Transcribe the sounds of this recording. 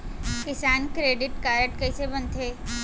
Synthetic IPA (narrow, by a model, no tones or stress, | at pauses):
kɪsaːnkɾeːɖɪʈkaːɾəʈkɐɪsebɐnt̪ʰeː